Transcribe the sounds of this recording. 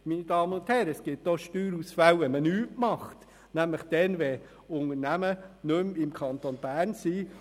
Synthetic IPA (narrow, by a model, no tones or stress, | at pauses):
minid̥ɑːmənʊnthɛːɾəɛsɡ̥ɪtːoʃtyːɾusfæwʋɛmənyːʔmɑχt | næmləχd̥ɛnʋɛ | ʊŋəɾnæmənɵmɪmkʰɑnt̪onb̥æːrnsiː